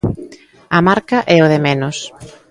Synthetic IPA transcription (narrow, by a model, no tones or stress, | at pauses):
ɐmaɾkɐʔɛoðɪmenʊs